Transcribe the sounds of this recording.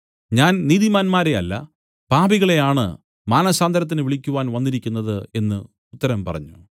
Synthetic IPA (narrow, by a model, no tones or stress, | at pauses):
ɲaːnniːðimaːnmaːɾe̞ɐlːɐ̰ | paːbiɣɐɭe̞jaːɳɨ̰ | maːnɐsaːnd̪ɐɾɐt̪̬ːinɨʋiɭikʲːuʋaːnʋɐnːiɾikʲːunːɐðɨe̞nːɨ | ut̪ːɐɾɐmpɐrɐ̰ɲːu